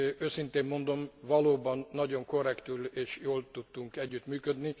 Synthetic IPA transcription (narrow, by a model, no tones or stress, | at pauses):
øːsint̪eːmmo̞nd̪o̞mvɒloːbɒnːɒɟo̞ŋko̞rɛkt̪yleːʃjoːlt̪ut̪ːuŋkɛɟːyt̪myːkød̪ni